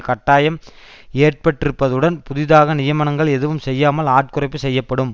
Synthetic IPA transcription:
kɐʈːaːjɐm | eːʈ̚pɐʈːɪɾɯpːɐðɯɽɐnpʊðɪðaːɣɐnɪjɐmɐɳɐŋɡɐɭɛðɯʋɯmsɛjːaːmɐlaːʈ̚kɯrɐɪpːɯsɛjːɐpːɐɽɯm

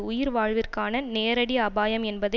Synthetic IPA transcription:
ʊjɪɾʋaːɻʋɪrkaːnɐneːɾɐɽiɐbaːjɐmɛnbɐðɐ

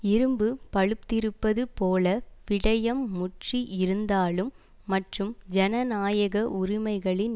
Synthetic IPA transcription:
ɪɾɯmbɯpɐɻɯp̚t̪ɪɾɯpːɐðɯpoːlɐʋɪɽɐjɐmːʊʈriʔɪɾɯnd̪aːlɯmː | ɐʈrɯmd͡ʒɐnɐnaːjɐɣɐʔʊɾɪmɐɪɣɐɭɪn

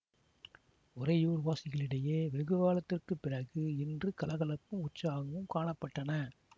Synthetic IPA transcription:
ʊɾɐjuːɾʋaːsɪɣɐɭɪɽɐjeːʋɛɣɯʋaːlɐt̪ːɪrkɯpːɪrɐɣɯɪndrɯkɐlɐɣɐlɐpːɯ̃mʊʈt͡ʃːaːɣɐʋɯmkaːɳɐpːɐʈːɐnɐ

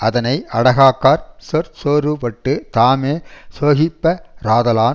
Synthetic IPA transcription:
ʔɐðɐnɐɪʔɐɽɐɣaːkːaːɾsɔɾsoːɾɯʋɐʈːɯt̪aːmeːsoːɣɪpːɐɾaːðɐlaː

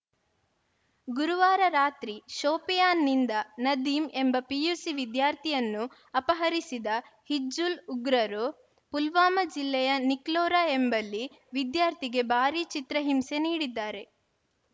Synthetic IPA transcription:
ɡuɾuʋaːɾɐɾaːt̪ɾiʃoːpijaːnːind̪ɐnɐd̪iːme̞mbɐpijusiʋid̪jaːɾt̪ʰijɐnːu | ɐpɐɦɐɾisid̪ɐhid͡ʒuluɡɾɐɾo | pulʋaːmɐd͡ʒilːɛjɐniklɔːɾaːembɐlːi | ʋid̪jaːɾt̪ʰiɡe̞bʱaːɾit͡ʃit̪ɾɐɦimse̞niːɽid̪ːaːɾe̞

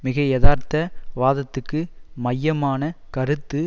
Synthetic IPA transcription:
mɪɣɐjɛðaːɾt̪ːɐʋaːðɐt̪ːɯkːɯmɐjːɐmaːnɐkɐɾɯt̪ːɯ

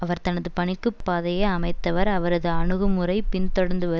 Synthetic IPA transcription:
ɐʋɐɾt̪ɐnɐðɯpɐɳɪkːɯpːaːðɐjɐɐmɐɪt̪ːɐʋɐɾɐʋɐɾɐðɯɐɳɯɣɐmɯrɐɪpɪnt̪ɔɽɐnd̪ɯʋɐ

